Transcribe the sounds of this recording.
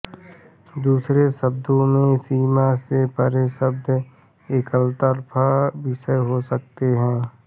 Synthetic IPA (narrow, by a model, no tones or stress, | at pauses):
d̪uːsɾesəb̚d̪ʱõmẽsiːmasepəɾesəb̚d̪ʱ | ekəlt̪əɾpʰabɪʃəɦosək̚t̪eɦɛ̃ː